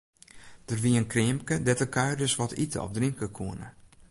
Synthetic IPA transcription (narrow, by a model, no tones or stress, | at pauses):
d̥ərʋiənkrɪəmkədɛtəkʰœɥrdøsʋɔtʰitəɔ̰p̚driŋkəkʰuənə̰